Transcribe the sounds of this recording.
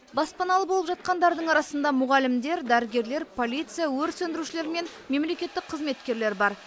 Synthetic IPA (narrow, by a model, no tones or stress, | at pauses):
bɑspɑnɑlˠəpbolˠəpʒɑt̪̚qɑnd̪ɑɾd̪əɴɑɾɑsənd̪ɑmʊʁɑlɪmd̪e̞ɾd̪æɾɪɡʲe̞ɾle̞ɾpʰo̞lʲˠijt̪sɨjawɵɾsɵnd̪ɪɾuʃɪle̞ɾme̞n | me̞mle̞kʲe̞t̪ːɪk̚qʰəzme̞t̪kʲe̞ɾle̞ɾbɑɾ